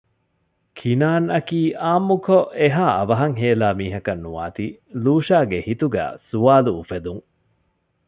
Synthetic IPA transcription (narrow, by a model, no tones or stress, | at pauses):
kʰinaːnɐkiːʔaːmːukoʔeɦaːʔɐʋɐɦɐŋɦeːlaːmiːɦɐkɐnːuʋa̰ːt̪iluːʃaːɡehit̪uɡæ̰ːsuʋaːluːfed̪uŋ